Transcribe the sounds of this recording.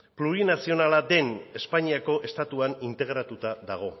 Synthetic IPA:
pluɾinasio̞nalad̪e̞ne̞spaɲiako̞ʔe̞st̪at̪uanint̪e̞ɣɾat̪ut̪aðaɣ̞o̞

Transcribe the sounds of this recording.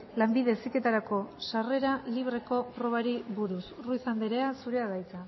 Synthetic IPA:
lambiðe̞sike̞t̪aɾako̞sare̞ɾaliβ̞ɾe̞ko̞pɾo̞β̞aɾiβuɾusruisambeɾe̞asuɾe̞aðajt͡sa

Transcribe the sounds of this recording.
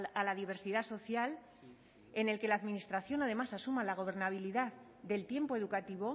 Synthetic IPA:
alaðiβe̞ɾsiðaso̞θjal | e̞ne̞lke̞laðminist̪ɾaθjo̞nað̞e̞masasumalaɣ̞o̞β̞e̞ɾnaβ̞iliðað | d̪e̞lt̪je̞mpo̞e̞ð̞ukat̪iβo̞

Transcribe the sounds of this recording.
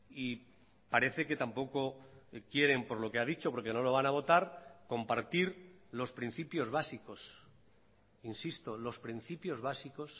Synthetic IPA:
i | paɾe̞θe̞ke̞t̪ampo̞kokjeɾe̞mpo̞ɾlo̞keaðit͡ʃo̞po̞ɾke̞no̞lo̞β̞anaβ̞o̞t̪aɾko̞mpaɾt̪iɾlo̞spɾin̟θipjo̞zβasiko̞s | insist̪o̞lo̞spɾin̟θipjo̞zβasiko̞s

